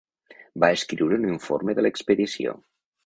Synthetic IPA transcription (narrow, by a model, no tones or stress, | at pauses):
baəskɾiwɾəuniɱfo̰ɾməðələkspəðisio̰